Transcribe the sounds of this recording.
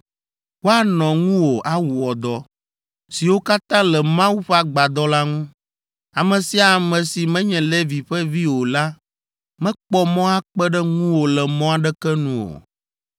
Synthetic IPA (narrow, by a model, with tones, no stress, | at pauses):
wo˦a˦nɔ̃˨ŋũ˦wo˨ʔa˨wu˨ɔ˨d̪ɔ˦ | si˨wo˦ka˦t̪ã˦lɛ˨mã˦wu˦ɸa˦ɡ͡ba˨d̪ɔ˦la˦ŋũ˦ | a˨mɛ̃˨si˦a˨mɛ̃˨si˨mɛ̃˦ɲɛ̃˨lɛ˦vi˨ɸɛ˦vi˦wo˨la˦ | mɛ̃˦k͡pɔ˦mɔ̃˦a˦k͡pɛ˦ɖɛ˦ŋũ˦wo˨lɛ˨mɔ̃˦a˦ɖɛ˦kɛ˦nũ˨wo̰˨